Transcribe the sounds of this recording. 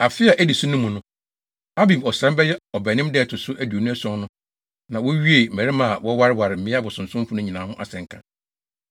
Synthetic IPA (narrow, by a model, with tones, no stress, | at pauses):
a˨fɪ˦a˨ʔæ˦di˨sʊ̃˦nʊ̃˦mũ˨nʊ̃˦ | a˦bĩ˨mɔ˨sɾɛ̃˦m˦bɛ˦jɛ˦ɔ˨bɛ˨nɪ̃˦mdɛː˦˨tʰʊ˨sʊ˦ʔæ˦du˨o˨nũ˦æ˦sɔ̃˦nnʊ̃˦ | nã˨wɔ˦ɥi˦e˨æ˨ɾɪ˦mã˨a˨wɔ˦wa˦ɾɪ˦wa˨ɾɪ˨m̩˨ɪ̃˦a˦bʊ˨sʊ̃˨n̩˨sʊ̃˦m˦fʊ˦nʊ̃˦ɲĩ˨nã˨hʊ̃˦ʔa̰˨sɛ̃˨ŋ˨kʰã̰˦˨